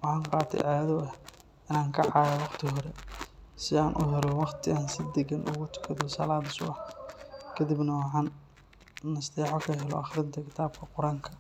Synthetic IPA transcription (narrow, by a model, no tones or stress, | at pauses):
wɑħɑːŋqɑːt̪ʰɛ̰jʔaːjɐðɔɛh | ɪnaːŋkʰɐʕɑːjɛwɑqt̪ʰɪɦɔɾɛsɪaːnʔʊɦɛɾɔwɑqt̪ʰɪaːnsɪd̪ɛɡɐnʔʊ̰ɣʊt̪ʰʊ̥kʰɐðɔsɐ̰laːd̪ɪsʊ̰ɐħ | kʰɐd̪ibnɐwɑħɑːnː | ɐsd̪ɛːħɔkʰɐɦɛlɔ̰ʔɑχɾɪnt̪ʰɐkʰɪt̪ʰaːb̚kʰɐqʊɾaːŋkʰɐ